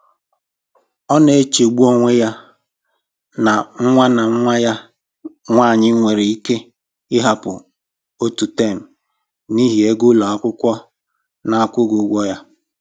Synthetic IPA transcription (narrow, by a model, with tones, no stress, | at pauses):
ɔ˦ne˨e˦t͡ʃe˨ɡ͡bu˦o˦ŋʷe˦ja˦ | na˨ŋ̩˦ŋʷa˦na˨ŋ̩˦ŋʷa˦ja˦ | ŋʷaː˦˨ɲɪ˦ŋʷe˨ɾe˨i˦ke˦ | ɪ˦ɦa˨pʊ̰˨ | o˦tu˨te˦˨m̩˨ | ni˦ɦi˨e˦ɡʊ˦la˨a˦˨kʷʊ˦kʷɔ˦ | na˨a˨kʷʊ˦ɡʊ˨˦ɡʷɔ˦ja˦